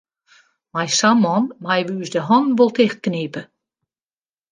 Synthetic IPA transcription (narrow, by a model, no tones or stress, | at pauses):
majsamːɔnmajʋəysdəɦɔnʋolˠtɪxt̚kneːpə